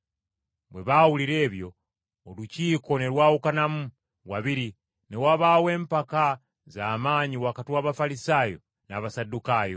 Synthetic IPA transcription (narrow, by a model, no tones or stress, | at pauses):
bwe̞̰βawuliɾe̞ːβjo̞ː | luciːko̞ne̞lwaːwukanamu | wa̰βiɾi | newaβawe̞ːmpaka | zaːmaːɲiwakatiwaβafalisaːjo̞̰ | naβasadukaːjo̞̰